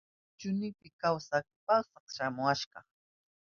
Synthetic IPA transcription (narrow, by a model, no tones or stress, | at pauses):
t͡ʃʊnɪpɪkawsakpasɑχʃamʊaʃɢɑ